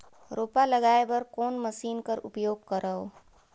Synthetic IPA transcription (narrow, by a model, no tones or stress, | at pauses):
ɾoːpaləɡaːebɐɾkoːnməsiːnkəɾʊ̰pjoːɡ̚kəɾʔəo